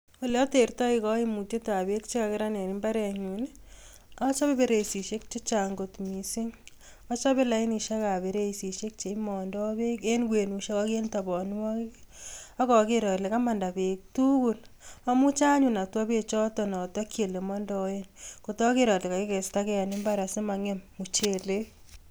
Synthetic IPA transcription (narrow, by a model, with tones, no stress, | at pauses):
o˨lɛ˦ɔ˦te˨ɾtɔ˦ikɔ˦e˦mu˨te˦ta˨be˦k̚t͡ʃe˦ka˨kɪ˦ɾane˨nimba˦ɾɛ˨ɲune˦ | ɔt͡ʃɔ˦be˦beɾe˨isi˨ʃe˦k̚t͡ʃe˦t͡ʃaŋɡo˨tmisi˦ŋ | ɔ˦t͡ʃɔ˦be˦la˦i˦ni˨ʃa˦ka˨be˨ɾe˦isi˨ʃe˦k̚t͡ʃe˨mɔndɔbe˦kenkwenu˨ʃa˦kɔkentabɔ˨nwɔ˦kki | ɔ˦kɔ˨ke˦ɾɔ˨le˨ka˦ma˨nda˨be˨k̚tu˦ku˨la˦mu˦t͡ʃa˦ɲu˨na˨twɔ˦be˨t͡ʃɔ˦tɔ˨nɔ˨tɔ˦kʰje˨le˨mɔndɔe˦nko˨tɔ˦ke˦ɾɔ˨tle˨ka˨kɪ˦kɛ˨stakɛ˦a˨nɪ˦mba˦ɾa˨sɪ˦maŋe˦mːu˨t͡ʃe˨le˦